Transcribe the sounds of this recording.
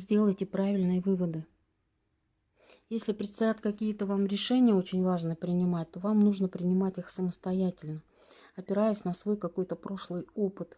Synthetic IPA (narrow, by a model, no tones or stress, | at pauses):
zʲdʲe̞lˠəjtʲɪpɾavʲɪlʲnɨjəvɨvəd̪ɨ | jesʲlʲɪpɾʲɪt̪st̪ɐjat̪kɐkʲijət̪əvamɾʲɪʂɛnʲɪjəo̞t͡ɕɪnʲvaʐnɨjəpɾʲɪnʲɪmat̚ʲt̪o̞vamnuʐnəpɾʲɪnʲɪmatʲixsəməst̪ɐjætʲɪlʲnə | ɐpʲɪɾajʊsʲnəsvo̞jkɐko̞jt̪əpɾo̞ʂlˠɨjo̞pɨt̪